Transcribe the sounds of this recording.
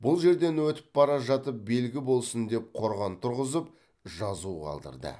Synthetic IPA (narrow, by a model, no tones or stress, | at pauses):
bʊlˠʒe̞ɾd̪e̞nwɵt̪ɪ̥p̚ːɑɾɑʒɑt̪əp̚be̞lɡʲɪbo̞lˠsənd̪e̞p̚qʰo̞ɾʁɑnt̪ʰʊɾʁəzəp̚ | ʒɑzuqʰɑ̰lˠd̪ə̰ɾd̪ə̰